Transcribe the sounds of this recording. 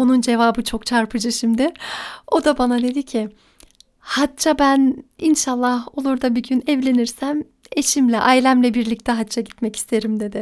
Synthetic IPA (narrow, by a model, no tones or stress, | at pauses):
o̞nund͡ʒe̞vaːbɯt͡ʃʰo̞kt͡ʃʰaɾpʰɯd͡ʒɯʃimd̪ɪo̞d̪abanad̪e̞d̪icʰɪ | hatt͡ʃʰabæninʃalˠːaho̞lˠuɾd̪abiɟynɛvlʲe̞niɾsæm | e̞ʃimlʲɛʔajlʲæmlʲɛbiɾlʲic̚t̪ʰɛɦat̪t͡ʃʰːaɟit̪mɛci̥st̪ʰeɾimd̪e̞d̪ɪ